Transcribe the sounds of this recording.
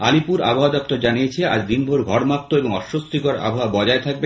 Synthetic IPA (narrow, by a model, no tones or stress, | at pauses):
alipuɾa̰bʱoad̪ɔp̚t̪oɾd͡ʑanijet͡ɕʰea̰d͡ʑd̪inbʱoɾɡʱɔɾmap̚t̪oeboŋɔʃost̪ikoɾa̰bʱaabɔd͡ʑaet̪ʰak̚be